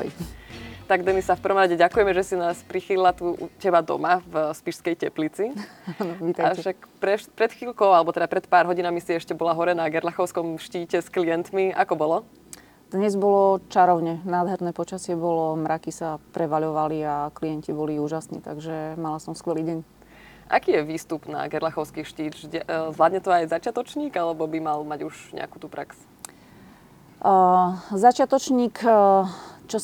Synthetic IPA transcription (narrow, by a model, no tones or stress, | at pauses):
ɔ̰j | t̪aɡd̪ɛnisafpər̩ʋɔmɾaɟɛɟakujɛmɛʒɛsinaːspɾixililat̪ucɛbad̪ɔ̰mavspiʃskɛjcɛplit͡siaːnɔʋiːt̪ajaɛʃakpɾɛpɾɛt̪xiːlkɔʊalɛbɔt̪ɛd̪apɾɛt̪paːɾɦɔɟinamisiɛʃcɛbɔlaɦɔɾɛnaɡɛɾlaxɔʊskɔmʃciːcɛsklijɛnt̪miʔa̰kɔbɔlɔ | d̪̥ɲɛzbɔlɔt͡ʃaɾɔʊɲɛnaːd̪ɦɛɾnɛːpɔt͡ʃasɪɛbɔlɔmɾakisapɾɛʋaʎɔʋaliaklijɛncibɔliuːʒasnḭːt̪aɡʒɛmalasɔmskʋɛliːɟɛɲ | ʔa̰kiːjɛʋiːst̪upna̰ɡɛɾlaxɔʊskiʃciːɟɛzʋlaːd̪ɲɛt̪ɔajzat͡ʃɪat̪ɔt͡ʃɲiːɡalɛbɔbimalmaɟuʒɲɛ̰a̰ku̥ːt̪uːpɾaks | zat͡ʃɪat̪ɔt͡ʃɲiːk | t͡ʃɔ